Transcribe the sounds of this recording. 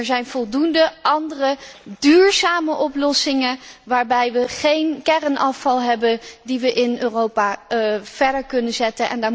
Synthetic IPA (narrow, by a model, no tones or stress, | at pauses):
ɛɹzɛjnv̥ɔlˠdundəʔɑndərədyːɹzaːməʔɔplɔsɪŋənʋaːɹbɛjʋəχejnkɛrənʔɑfɑlˠɦɛbəndiʋəʔɪnøːrowpaːv̥ɛɹdəɹkɵnənzɛtənʔɛ̰ndaː